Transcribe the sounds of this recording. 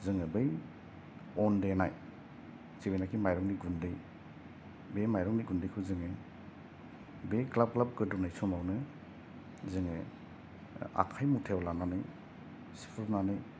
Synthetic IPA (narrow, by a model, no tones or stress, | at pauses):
zɯŋebɯj | ɔndenaj | t͡ʃibejnakʰimajɾɔŋniɡundɯj | bemajɾɔŋniɡundɯjkʰɯzɯŋe | beklab̚klap̚ɡɯdunajsɔmawnɯ | zɯŋe | a̰kʰajmutʰewlananɯj | si̥pʰunanɯj